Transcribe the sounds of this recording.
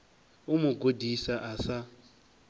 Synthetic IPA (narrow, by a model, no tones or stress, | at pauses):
umʊɡodisaʔasa